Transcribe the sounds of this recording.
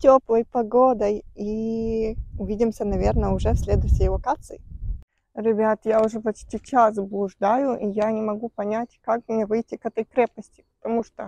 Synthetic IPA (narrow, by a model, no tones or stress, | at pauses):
tʲoplˠəjpɐɡod̪əji | ʊvʲidʲɪmsʲənɐvʲernəʊʐɛfsʲlʲed̪ʊɕːɪjvɐkat̪sɨɪ | ɾʲɪbʲat̪jaʊʐɛpɐt͡ɕt̪ʲit͡ɕaszəblˠʊʐd̪ajʊʔijanʲɪmɐɡupɐnʲatʲkakmnʲevɨjtʲːɪkɛt̪əjkɾʲep̚pəsʲtʲɪ̥pə̥t̪ɐmuʂt̪o